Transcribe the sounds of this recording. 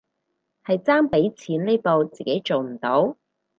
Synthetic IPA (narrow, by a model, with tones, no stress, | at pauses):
hɐ˨jt͡saː˥ŋpe˨˥jt͡sʰiː˨˥nle˥jpo˨˧wt͡siː˨˩ke˨˥jt͡so˨wm̩˨˩t̪o˨˥w